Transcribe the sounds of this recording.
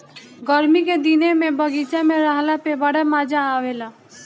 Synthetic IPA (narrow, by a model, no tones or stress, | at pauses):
ɡəɾmiked̪inemẽbəɡit͡ʃamẽɾaɦlapebəɽamaːd͡ʒaːʋelaː